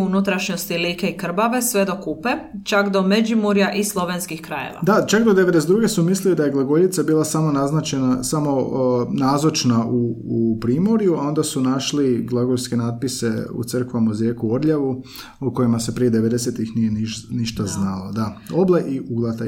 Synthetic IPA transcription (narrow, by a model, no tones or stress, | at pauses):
unut̪ɾaʃɲost̪iliːkeikr̩baʋe̞sʋe̞d̪o̞kupet͡ʃakd̪o̞med͡ʒimuɾjaʔislˠo̞ʋenskixkɾajḛʋa̰d̪at͡ʃakd̪od̪eʋed̪es̬ed̪ɾuːɡe̞sumislilid̪ajeɡlˠaɡoʎit̪sabiːlˠasamo̞naznat͡ʃe̞nasamo̞naːzot͡ʃnaʔupɾiːmo̞ɾijuao̞nd̪asunaʃliɡlˠaɡoɾske̞naːt̪̚pise̞ṵt̪sər̩kʋamozjeːkuoɾʎaʋu | uko̞jimase̞pɾied̪eʋe̞d̪eset̪ixnije̞niʃniʃt̪aznalod̪ao̞bleʔiuɡlˠat̪a